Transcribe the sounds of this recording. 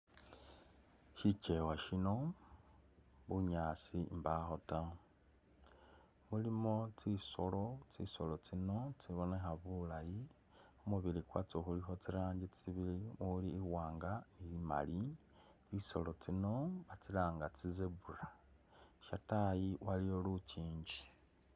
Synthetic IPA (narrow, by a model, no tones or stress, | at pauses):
ʃit͡ʃe̞waʃino̞ | βuɲaːsimbaxo̞ta | mulimo̞t͡siso̞lo̞t͡sḭso̞lot͡sino̞t͡siβo̞nexaβulaji | omuβilikwat͡soxulixo̞t͡siɾaːɲɟit͡siβiliuliːwaːŋɡaniima̰li | t͡siso̞̰lo̞t͡sino̞βat͡silaːŋɡat͡sizeβura | ʃatajiwaliolut͡ʃiːɲd͡ʒi̥